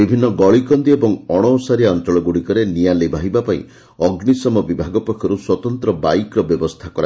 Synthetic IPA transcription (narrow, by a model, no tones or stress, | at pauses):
ibʱinːɔɡɔɭikɔnd̪iebɔŋɔɽ̃ɔsaɾiaɔnt͡ʃɔɭɔɡuɽikɔɾenialebʱaɦibapaḭ̃ | ɔɡnisɔmɔbibʱaɡɔpɾɔkʰjɔɾuswɔt̪ɔnt̪ɾɔbajkɾɔbjɔbɔst̪ʰakɔɾa